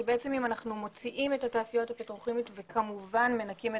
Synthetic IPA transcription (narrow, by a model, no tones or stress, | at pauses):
beet͡se̞mimanaχnumo̞t͡siʔime̞tataːsijo̞thapit̪ʁuχimit̪vekʰamuvanme̞nakime